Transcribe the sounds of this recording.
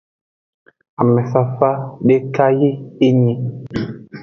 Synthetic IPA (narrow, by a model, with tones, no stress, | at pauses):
a˨mɛ˨sa˦fa˦ɗe˦ka˦ji˦e˦ɲi˨